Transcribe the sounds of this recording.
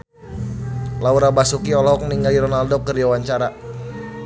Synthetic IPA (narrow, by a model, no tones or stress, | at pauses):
lauɾabasukiɔlɔɔk̚niŋɡaliɾɔnaldɔkərdiwawaɲt͡ʃaɾa